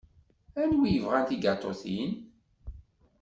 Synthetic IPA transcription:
ænwijəvʁænt̪iɡɑt̪ˤːo̰θḭn

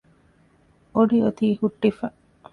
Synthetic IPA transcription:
oɖiot̪iːhuʈːifɐ

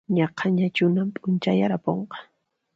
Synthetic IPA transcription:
ɲɑqʰɑɲat͡ʃʊnampʼʊnt͡ʃajaɾapoɴqɑ̥

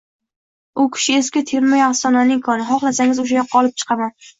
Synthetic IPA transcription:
ʊkʲʰɪ̥ʃɪeskʲɪt̪ʰeɾmajast̪ɒnlanɪŋkʰɒnɪɦɒχlˠasaŋʲɪzʊʃ̬ajɒqːɑɒlˠɪp̚t͡ʃʰɨ̥qʰɑman

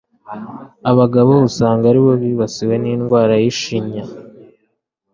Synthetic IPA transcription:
aβaɡaβo̞βusaːŋɡaɾiβo̞βiβasiwe̞niːnɡwaːɾajiʃiɲa

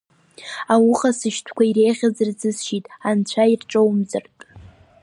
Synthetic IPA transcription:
awʊχasɨʃtʷʰkʷʰaiɾejʁʲazɨrzɨsʃitʼant͡ɕʷʰairʈ͡ʂʼowmzɨrtʼ

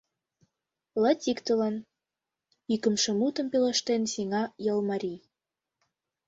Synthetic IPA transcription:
lɑtʲikt̪ə̆lɑn | ikə̆mʃɤ̆mut̪ɤ̆mpelĕʃt̪ensiŋɑjɤlˠmɑɾʲij

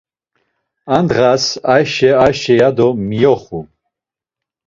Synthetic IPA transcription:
and̪ʁasajʃɛaʃɛjad̪ɔmijɔχu

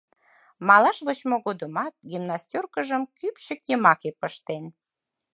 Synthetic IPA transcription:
mɑlɑʃβot͡ɕmoɣod̪əmɑt̪̚ɡimnɑst̪ʲorkəʒəmkypʃəkjəmɑkepəʃt̪en

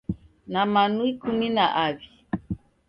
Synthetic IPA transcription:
namanuikuminaʔavi

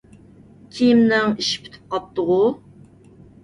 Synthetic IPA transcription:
kʲʰijimnɪŋiʃi̥pʰy̥t̪ʰɪ̥p̚qɑp̚t̪əʁʊ

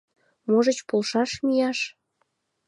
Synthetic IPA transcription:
moʒət͡ɕpolʃɑʃmijɑʃ

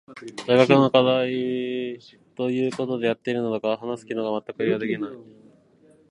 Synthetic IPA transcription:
d̪ajɡakɯ̟nokad̪ai | t̪o̞jɯ̟ːko̞t̪o̞d̪e̞jat̪ːe̞iɾɯ̟nod̪okaaɦanasɨ̥kʲinoɡamat̪ːakɯ̟iɡad̪e̞kʲinai

